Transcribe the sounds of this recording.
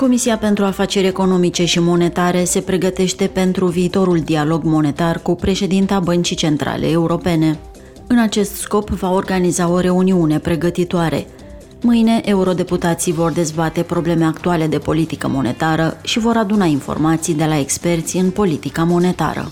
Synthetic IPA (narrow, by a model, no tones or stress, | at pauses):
ko̞misiape̞nt̪ɾuafat͡ʃe̞ɾʲe̞ko̞no̞mit͡ʃe̞ʃimo̞ne̞t̪aɾe̞se̞pɾe̞ɡət̪e̞ʃt̪e̞pe̞nt̪ɾuviːt̪o̞ɾuld̪ialo̞ɡmo̞ne̞t̪arkupɾe̞ʃe̞d̪int̪abənt͡ʃit͡ʃe̞nt̪ɾa̰le̞̰ːuɾo̞pe̞ne̞ | ɨnat͡ʃe̞st̪sko̞pvao̞rɡanizao̞ɾe̞uniune̞pɾe̞ɡət̪it̪oaɾe̞̰ | mɨjne̞ʔeuɾo̞d̪e̞put̪at̪sivo̞rd̪e̞zbat̪e̞pɾo̞ble̞me̞akt̪uale̞d̪e̞po̞lit̪ikə̰mo̞̰ne̞̰t̪aɾəʃivo̞ɾad̪unainfo̰rmat̪sijd̪e̞lae̞kspe̞rt̪sʲiɨnpo̞lit̪ikamo̞ne̞t̪a̰ɾə̰